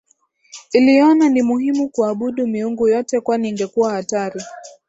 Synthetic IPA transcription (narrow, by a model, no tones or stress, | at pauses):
iliɔnanimuhimukuaɓuɗumiuŋɡujɔtɛkwaniːŋɡɛkuwahataɾi